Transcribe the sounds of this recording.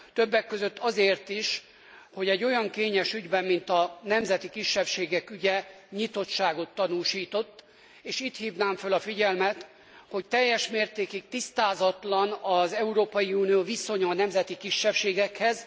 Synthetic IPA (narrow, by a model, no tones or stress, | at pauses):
t̪øbːɛkːøzø̞t̪ːɒzeːrt̪iʃ | ho̞ɟɛɟːo̞jɒŋkeːɲɛʃyɟbɛmːint̪ɒnɛmzɛt̪ikiʃːɛpʃeːɡɛkyɟɛ | ɲit̪o̞t̪ʃaːɡo̞t̪ːɒnuːʃiːt̪o̞t̪ː | eːʃit̪hiːvnaːɱfølɒfiɟɛlmɛt̪ | ho̞ct̪ɛjːɛʃmeːrt̪eːkik̚t̪ist̪aːzɒt̪lɒnɒzɛuɾoːpɒjiuːnijoːviso̞ɲɒnɛmzɛt̪ikiʃːɛpʃeːɡɛkhɛz